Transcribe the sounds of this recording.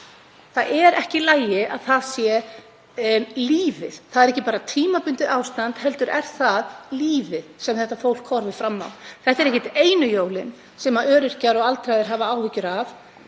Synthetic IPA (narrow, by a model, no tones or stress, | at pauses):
θaðʔɛɾɛhcɪlaːjɪaðθaðsjɛ | liːvɪð̥θaðɛɾɛhcːɪpaːɾat̪ʰiːmapʏnt̪ɪawst̪ant̪hɛlt̪ʏɾɛ̰ɾ̥θaðliːvɪðsɛmθɛht̪afowl̥kʰːɔɾvɪ̥fɾamːa̰wθɛht̪ɛɾɛhcɪt̪eːjnʏjoːwlɪn | sɛmaʔœːɾɪr̥caɾɔɣalt̪ɾajðɪɾ̥ɦaːvaaːwvɪcʏɾav